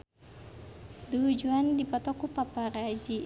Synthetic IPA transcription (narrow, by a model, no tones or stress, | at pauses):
duud͡ʒuandipat̪ɔkupapaɾad͡ʒi